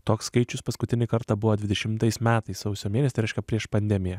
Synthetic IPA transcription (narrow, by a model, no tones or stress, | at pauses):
t̪oːksskɐɪt͡ʃʲʊspɐskʊt̪ʲɪnʲɪkɐɾt̪ɑbʊʋoːd̪ʲʋʲɪd̪ʲɛʃʲɪmt̪ɐɪsmʲæːt̪ɐɪssɐʊsʲoːmʲiɛnʲɛsʲɪɾɛɪʃʲkʲɛpʲɾʲiɛʃpɐnʲd̪ʲɛmʲɪjɛ